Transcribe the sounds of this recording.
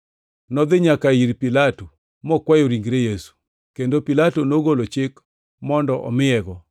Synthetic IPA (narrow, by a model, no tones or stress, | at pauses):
nɔd̪ɪɲakaiɾpɪlato | mɔkwajoɾiŋɡɾejesu̥ | kendopilatonoɡolot͡ʃɪk | mɔndɔʔɔ̰mɪɛɡɔ